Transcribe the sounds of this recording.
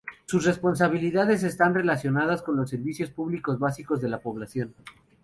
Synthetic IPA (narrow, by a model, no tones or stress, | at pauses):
susre̞spo̞ns̬aβ̞iliðaðe̞s̬e̞st̪anre̞lasjo̞nað̞asko̞nlo̞s̬ːe̞ɾβisjo̞spuβliko̞zβasiko̞zðe̞lapo̞β̞lasjo̞n